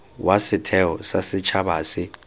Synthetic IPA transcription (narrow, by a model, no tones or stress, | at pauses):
wʔasɪtʰɛɔsasɪt͡ʃʰaɓaːsɪ